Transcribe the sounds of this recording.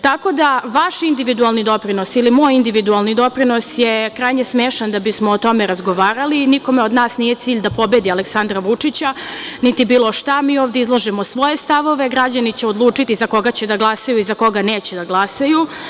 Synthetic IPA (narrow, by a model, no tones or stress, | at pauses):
t̪ako̞d̪aʋaʃind̪iʋid̪ualˠnid̪o̞pɾino̞silimoːjind̪iʋid̪ualˠnid̪o̞pɾino̞sjekɾajɲesmeːʃand̪abismoːt̪o̞meɾazɡo̞ʋaːɾaliniko̞meo̞d̪naːsnije̞t̪siːʎd̪apo̞bed̪ialeksand̪ɾaʋut͡ʂit͡ɕanit̪ibiːlˠoʃt̪amiːoːʋd̪eizlˠaʒemo̞sʋo̞je̞st̪aʋo̞ʋe̞ɡɾad͡ʑanit͡ɕeo̞d̪lˠuːt͡ʂit̪izako̞ɡat͡ɕed̪aɡlˠasajuizako̞ɡaneːt͡ɕed̪aɡlˠasaju